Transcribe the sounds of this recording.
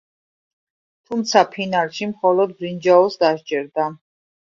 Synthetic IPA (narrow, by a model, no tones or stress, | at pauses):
t̪ʰumt̪sʰapʰinalˠʃimχɔlɔd̪̚bɾind͡ʒaɔsd̪aʃd͡ʒɛɾd̪a